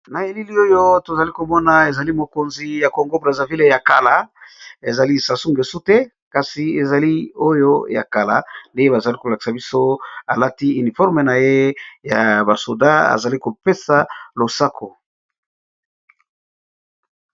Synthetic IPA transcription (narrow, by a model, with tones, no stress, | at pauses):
na˨e˨li˦li˦o˦jo˦to˨za˨li˦ko˨mɔ˦na˨e˨za˨li˦mo˨ko˨nzi˨ja˨ko˨ŋɡo˦bʁa˨za˨vi˦le˦ja˨ka˨la˨e˨za˨li˦sa˨su˦ŋɡe˨su˦te˦ | ka˨si˨e˨za˨li˦o˦jo̰˦ja̰˨ka˨la̰˨nde˦je˦ba˨za˨li˦ko˨la˨ki̥˨sa˨bi˦so˦a˨la˦ti˦y˨ni˨fɔ˦ʁme˨na˨je˦ja˨ba˨so˨da˦a̰˨za˨li˦ko˨pe˦sa˨lo˨sa˦kʰo˨